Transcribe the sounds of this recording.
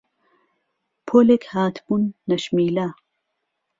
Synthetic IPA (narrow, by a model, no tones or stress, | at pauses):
pʰoːlekhaːt̪ʰbunːɐʃmiːla